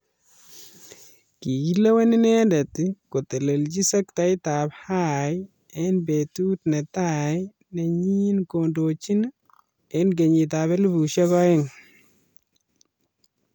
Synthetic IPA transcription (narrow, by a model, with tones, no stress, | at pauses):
ki˨ɡi˦la˦we˦ni˦nɛ˦ndɛ˨tko˨te˨le˨ld͡ʒi˦sɐ˦k̚ta˨jta˨phaj | e˦nbetu˦tne˨taj | ne˨ɲi˦nkondo˨t͡ʃi˦n | enɡe˨ɲi˨ta˨βɛ˦li˦bu˨ʃɔ˦kɔ˦ɪ˦ŋ